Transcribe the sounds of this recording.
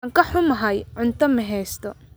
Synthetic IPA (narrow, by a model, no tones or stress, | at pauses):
ŋkʰɐħʊmɐɦɐjʕʊnt̪ʰɐmɐɦɛːst̪ʰɔ